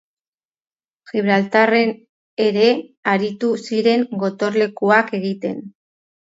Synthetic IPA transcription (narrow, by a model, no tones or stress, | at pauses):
xiβɾalt̪are̞n | e̞ɾe̞aɾit̪usiɾe̞ŋɡo̞t̪o̞ɾle̞kuake̞ɣit̪e̞n